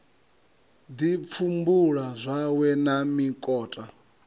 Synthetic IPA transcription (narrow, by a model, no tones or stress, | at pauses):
d̪ip̪fʰumbuɺazʷawɛnamikʼɔːtʼa